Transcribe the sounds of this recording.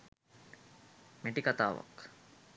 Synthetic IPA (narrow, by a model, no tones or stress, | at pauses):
meʈikat̪a̰ːʋa̰k